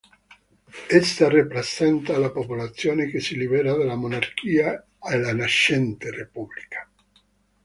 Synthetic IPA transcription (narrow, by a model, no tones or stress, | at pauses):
est̪aripɾesɛnt̪alapopulat̪sːjoːnekesilibɛɾad̪alamonark̟ʰiːa | elanaʃɛnt̪erepublikʰḁ